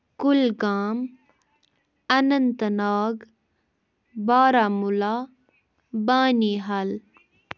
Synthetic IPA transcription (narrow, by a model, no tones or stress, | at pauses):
kʊlɡaːm | ɐnɐnt̪ənaːɡ | baːɾaːmula | baːniːɦɐl